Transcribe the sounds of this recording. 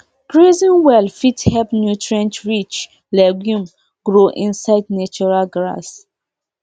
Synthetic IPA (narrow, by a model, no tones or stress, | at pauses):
kɹezĩnwɛlfithɛpnjutɹɛ̃ntɹit͡ʃ | lɛɡjũm | ɡɹoʔĩnsaɪdnat͡ʃɔɹalɡɹa̰s